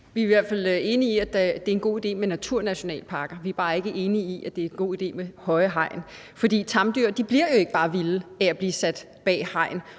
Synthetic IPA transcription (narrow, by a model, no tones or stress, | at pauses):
ʋiæiʋæɐd̥fæl̰e̝ːniiæd̥æd̥e̝æɐe̝nɡo̝̰ːid̥e̝̰ːmenæt͡sʰuɐ̰næɕo̝nɛ̰ːlpʰɑ̈ːɡ̥ɐʋiæɐb̥ɑ̈ːe̝ɡ̥əʔe̝ːniiʔæd̥e̝æɐenɡ̥o̝̰ːid̥e̝̰ːmehɒ̽ɪɦɑ̈ɪ̰n | fɒ̽d̥ḭːt͡sʰɑ̈md̥yɐd̥ib̥liɐ̰jo̝e̝ɡ̥əb̥ɑ̈ːʋiləææb̥liːsæd̥ | b̥ɛ̰ːhɑ̈ɪ̰n